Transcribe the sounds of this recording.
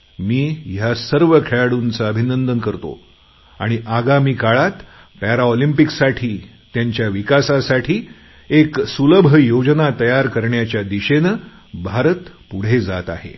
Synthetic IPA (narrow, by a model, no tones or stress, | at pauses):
miːjasəɾʋəkʰeɭɽunt͡saəbʱinənd̪ənkəɾt̪o̰ | aɽ̃iʔaɡamiːkaɭat̪ | pæɾaolimpiksaʈʰiː | t̪jaɲt͡ɕjaʋikasasaʈʰiː | eksuləbʱəjod͡ʑnat̪əjaɾkəɾɳjat͡ɕjad̪iɕenə | bʱaɾət̪puɽ̤ed͡zat̪a̰ɦḛ